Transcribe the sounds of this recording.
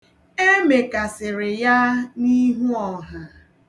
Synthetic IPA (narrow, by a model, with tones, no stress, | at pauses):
e˦me˨ka˨sɪ˨ɾɪ˨ja˦ni˦ɦu˦ɔ˨ɦa˨